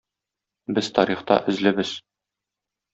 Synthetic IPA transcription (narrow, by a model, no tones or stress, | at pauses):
bɘzt̪ɒɾiχt̪ɑ̰ʔɘ̆zlɘ̆bɘz̥